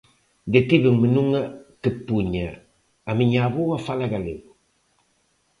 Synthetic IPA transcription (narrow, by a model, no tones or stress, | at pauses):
dekibɨŋmɨnuŋakɨpuɲa | amɨɲabuwafalaɡalḛ